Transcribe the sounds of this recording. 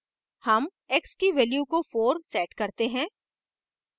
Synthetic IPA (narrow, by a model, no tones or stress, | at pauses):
hɐm | ekskiʋɛːljukofoːɾsɛːʈkɐɾt̪eɦɛ̃ː